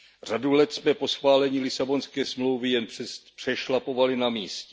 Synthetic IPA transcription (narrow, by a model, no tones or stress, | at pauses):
r̝adulɛt̪smɛpo̞sxvaːlɛɲiːlɪsabo̞nskɛːsmlowvɪjɛnpr̥ɛʃlapo̞valɪnamiːscɛ